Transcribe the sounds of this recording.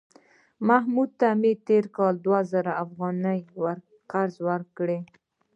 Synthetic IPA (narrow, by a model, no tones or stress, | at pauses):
maɦmud̪̚t̪amet̪eɾkɑld̪wazəɾaafɣɑnəjwaɾ | qaɾzwəɾkɽe